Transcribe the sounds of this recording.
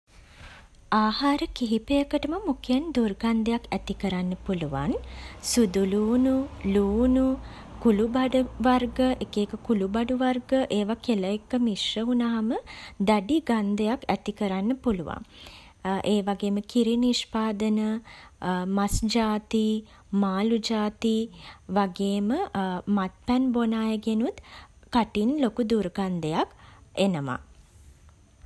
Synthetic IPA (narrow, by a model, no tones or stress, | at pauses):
aːhaːɾəkiɦipejəkəʈəməmukeənd̪urɡand̪əjakæt̪ikəɾanːəpuluʋa̰nsud̪uluːnuluːnu | kulubaɖʋarɡəʔekeːkəkulubaɖuʋarɡəʔeːʋakeləekːəmiʂəɦunaɦaməd̪aɖiɡand̪əjakæt̪ikəɾanːəpuluʋa̰ŋ | ʔeːʋaɡeːməkiɾiniʃpaːd̪ənə | masd͡ʒaːt̪i | maːlud͡ʒaːt̪iʋaɡeːməmat̪̚pɛnbonaːjəɡenut̪kaʈinlokud̪urɡand̪əjakenəʋa̰